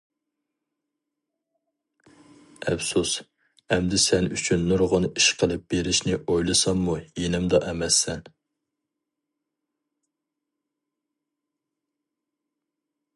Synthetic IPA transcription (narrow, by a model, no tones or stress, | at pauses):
ɛ̰fsus | ɛmd̪ɪsɛnyt͡ʃʰynːuɾʁʊniʃqʰəlˠɨp̚b̥eɾɪʃnɪʔojlˠɨsɑmːujenɪmd̪ɑʔɛmɛsːɛn